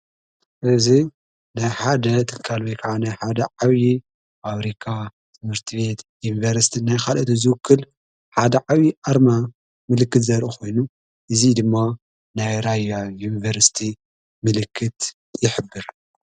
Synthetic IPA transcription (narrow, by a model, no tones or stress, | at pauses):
ʔɨzi | najħad̪ɐt̪ʰɨlkʰalwojkʰɐʕanajħad̪ɐʕawi | ʔaβɾikʰa | t̪ʰɨmhɨɾt̪ʰiβe̞t̪junivɐɾsi̥t̪ʰinajxalʔɐt̪ozɨwʊkʰːɨl | ħad̪ɐʕawiʔaɾma | mɨlɨkːɨt̪zɐɾʔuxʰo̞jnu | ʔɨzid̪ɨmːa | najɾajajunivɐɾsi̥t̪ʰi | mɨlɨkʰːɨt̪ | jɪħɨbːɨɾ